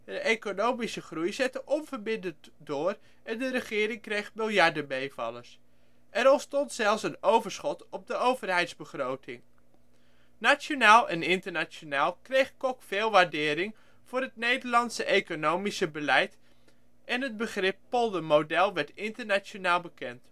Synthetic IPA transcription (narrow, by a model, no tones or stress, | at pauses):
dəʔejkonowmisəχrujzɛtəʔɔnvəɹbɪndət | dʊːr | ɛndəɾəχɪːɾɪŋkrejχbɪlˠjaɹdəbejvɑ̰ləs | ʔɛɾɔntstɔntsɛlˠfsənowvəɹsχɔtɔb̚dəowvərɦɛjtzbəχrowtʰɪŋ | nat͡ʃonaːlˠɛnɪntəɹnat͡ʃonaːlˠkrejχkɔkfɪːlˠʋaːɹdɪːɾɪŋ | v̥ʊːɾɦətnejdəɹlɑntsəʔejkonowmisəbəlɛjt | ʔɛnɦəd̚bəχrɪpːɔlˠdəmowdɛlˠʋɛɹtɪntəɹnat͡ʃonaːlˠbəkɛnt